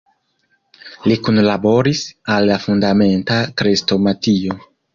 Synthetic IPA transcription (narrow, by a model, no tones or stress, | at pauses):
likunlabo̞ɾisalːafundame̞ntakɾesto̞matio